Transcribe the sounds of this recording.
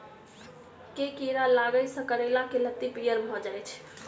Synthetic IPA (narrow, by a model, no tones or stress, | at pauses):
kekiɾalaɡəjsə̃kəɾelakelət̪ːipijəɾbʱɔd͡ʒajt͡ʃʰ